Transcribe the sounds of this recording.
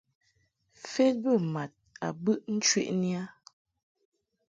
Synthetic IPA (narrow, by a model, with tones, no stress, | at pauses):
fe˦t̚bə˦˨ma˨t̚a˨bɨ˦ʔn̩˦t͡ʃɥwḛ˦ʔni˦a˦